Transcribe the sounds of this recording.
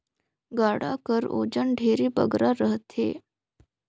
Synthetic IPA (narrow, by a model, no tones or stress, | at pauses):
ɡaɽa̰kəɾo̰d͡ʑəɳɖʱeɾiːbə̰ɡɾaɾəɦt̪ʰḛ